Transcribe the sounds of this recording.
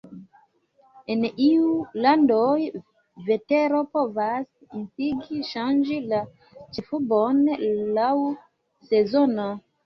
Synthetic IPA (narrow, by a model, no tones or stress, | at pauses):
eniulandoj | ve̞te̞ɾo̞po̞vas | insiɡiʃand͡ʒila | t͡ʃefubonlaw | se̞zono